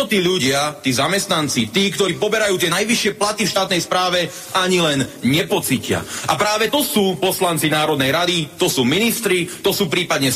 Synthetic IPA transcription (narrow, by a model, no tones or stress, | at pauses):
ɔt̪iːʎuɟɪat̪iːzamɛst̪nant͡sit̪iːkt̪ɔɾiːpɔbɛɾajuːt̪ɪɛnajʋiʃɪɛplat̪ifʃt̪aːt̪nɛjspɾaːʋɛ | aɲilɛnɲɛpɔt͡sicɪa̰ʔapɾaːʋɛt̪ɔsuːpɔslant͡sinaːɾɔd̪nɛjɾad̪it̪ɔsuːminist̪ɾit̪ɔsuːpɾiːpad̪ɲɛ